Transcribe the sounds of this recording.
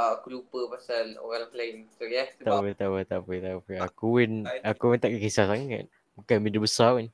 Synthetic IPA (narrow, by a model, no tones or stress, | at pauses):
aakulupəpasano̰ɣãlpleŋsojɛt̪apət̪aʔwət̪aʔpet̪apeakuwɛnakuwɛnt̪aʔkakisasaŋa̰t̪̚ | mukanbidəbəsawɛn